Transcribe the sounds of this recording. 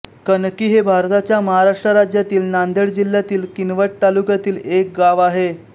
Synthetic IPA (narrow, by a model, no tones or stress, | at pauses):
kənkiːɦebʱaɾt̪at͡ɕjaməɦaɾaʂʈɾəɾad͡ʑjat̪iːlnand̪ʱeɽd͡ʑil̤jat̪iːlkinʋəʈ̚t̪alukjat̪iːlek̚ɡaʋaɦe